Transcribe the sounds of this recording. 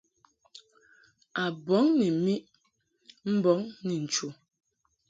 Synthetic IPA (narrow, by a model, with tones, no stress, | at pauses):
a˨bɔ˨˦ŋni˨mi˦ʔ | m̩˦bɔ˨˦ŋni˨n̩˨t͡ʃu˨